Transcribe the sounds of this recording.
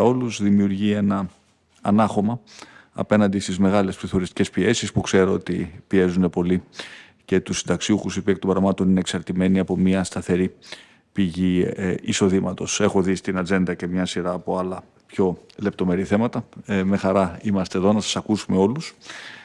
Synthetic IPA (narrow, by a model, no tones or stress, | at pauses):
o̞luzðimiuɾʝie̞nɐː | nɐxo̞mɐɐ̰pe̞nɐnd̪ist̪izme̞ɣɐle̞spɾiθo̞ɾist̪ice̞spie̞sispukse̞ɾo̞ot̪ipie̞zune̞po̞li | ce̞t̪usind̪ɐksiuxusipiek̚t̪o̞mbɾɐɣmɐt̪o̞nineːksɐɾt̪ime̞niɐpo̞miɐst̪ɐθe̞ɾi | piʝiiso̞ðimɐt̪o̞se̞xo̞ðist̪inɐd͡ze̞nd̪ɐce̞mɲɐsiɾɐːpo̞ɐlɐ | pço̞le̞p̚t̪o̞me̞ɾiθe̞mɐt̪ɐme̞xɐɾɐimɐst̪e̞ðo̞nɐsɐ̥sɐkusume̞o̞lus